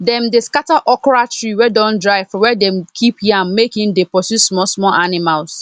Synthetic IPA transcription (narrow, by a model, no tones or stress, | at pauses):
dɛ̃mdeskataʔɔkɔɹatɹiwɛdɔ̃ndɹaɪvfɔwɛdɛ̃mkʰiphiãnmekĩmdepɔsusmɔsmɔlʔanimals